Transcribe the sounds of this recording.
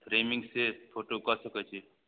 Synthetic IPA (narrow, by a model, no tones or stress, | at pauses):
fʰɾeːmɪ̃ŋɡsepʰoːʈokasəkət͡ʃʰi